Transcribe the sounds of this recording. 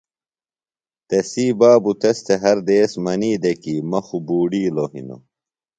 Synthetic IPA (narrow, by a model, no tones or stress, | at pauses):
t̪esiːbaːbut̪est̪ʰeɦɐɾd̪eːsmɐniːd̪ekiːmɐxubuːɖiːloɦḭno̰